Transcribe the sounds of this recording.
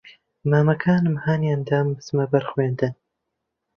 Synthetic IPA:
maːmɐkʰaːnɨmhaːnjand̪aːmsmɐbɐɾxweːnd̪ɨn

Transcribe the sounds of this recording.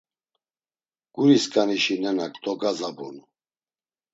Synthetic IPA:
ɡ̥uɾiskʼaniʃinɛnakd̪ʼɔɡazabṵnu

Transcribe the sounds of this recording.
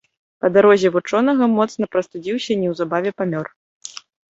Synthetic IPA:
pɐd̪aɾɔzʲɛvut͡ʂɔnɐɣɐmɔt̪snɐpɾɐst̪ud͡zʲiwsʲɐnʲɛwzabavʲɛpamʲɔr

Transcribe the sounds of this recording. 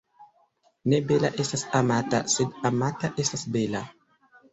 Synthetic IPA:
nebelaʔest̪asamat̪a̰sed̪amat̪aʔest̪asbela

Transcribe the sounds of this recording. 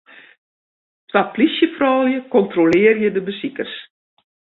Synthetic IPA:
tʋaplisjəfrɔːjəkɔntrolɪːərjədəbəsikərs

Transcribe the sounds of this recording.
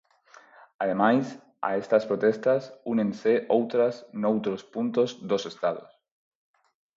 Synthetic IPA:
aðemajs | a̰est̪aspɾot̪est̪asunẽnseʔowt̪ɾasnowt̪ɾospunt̪ozðosest̪að̞os

